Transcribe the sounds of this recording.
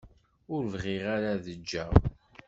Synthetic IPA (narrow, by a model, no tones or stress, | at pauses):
ʊɾvʁɪʁaɾaðəd͡ʒːæ